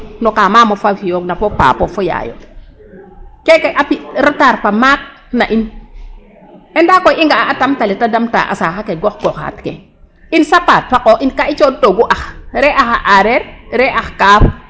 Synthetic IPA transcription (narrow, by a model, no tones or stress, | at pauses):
nokamaːmofafijoknapopa̰ːpɔfoja̰jo̰ | kekeʔapiɾataɾpamak̚ | naʔin | ɛndakojiŋɡaaʔatamtalitadamta̰ʔa̰saxakeɡɔxɡɔxa̰tkḛ | insapaːt̚pakoʔinkait͡ʃodoɡuʔaxɾɛʔaxaʔaɾeɾɾɛʔaxkaf